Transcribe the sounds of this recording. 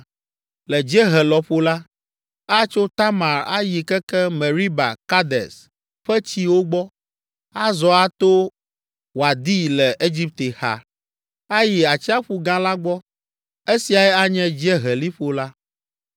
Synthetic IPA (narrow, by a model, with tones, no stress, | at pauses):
lɛ˨d͡ʑɛ˦ɦɛ˨lɔ˨ɸo˦la˦ | a˦t͡ʃo˦t̪a˦ma˨ɾa̰˦ji˨kɛ˦kɛ˦me˨ɾi˦ba̰˨ka˦d̪ɛ̰˨s | ɸɛ˦t͡ɕi˦wo˦ɡ͡bɔ˦ | a˦zɔ˦a˦t̪o˦ | wa˨d̪i˦lɛ˨ʔe˦d͡ʑi˦p̚t̪e˨xa̰˨ | a˦ji˨a˨t͡ɕi˦a˦ɸu˦ɡã˦la˦ɡ͡bɔ˦ | e˦si˨a˨ɛ˦a˦ɲɛ̃˦d͡ʑɛ˦ɦɛ˨li˦ɸo˨la˦